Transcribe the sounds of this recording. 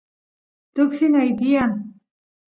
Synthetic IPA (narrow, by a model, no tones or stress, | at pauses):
t̪ʊksinajd̪ijan